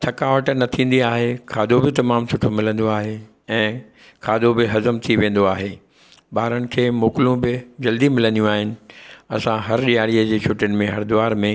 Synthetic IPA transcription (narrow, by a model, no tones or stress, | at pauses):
t̪ʰɐkaːʋəʈnɐt̪ʰĩːn̆d̪iaːɦekʰaːd̪obɪt̪ɐmaːmsʊʈʰomɪlə̃nd̪oaːɦe | ɛ̃ː | kʰaːd̪obɪɦɐzəmt̪ʰiʋẽːn̆d̪oaːɦeː | ɓaːɾənɪ̆kʰeːmoːkɪlũbɪd͡ʑɐld̪imɪlə̃nd̪ijũaːɦɪnɪ̆ɐsãɦɐɾɗijaːɽiəd͡ʑeːt͡ɕʰʊʈənɪ̆mẽɦɐɾd̪ʊʋaːɾmẽ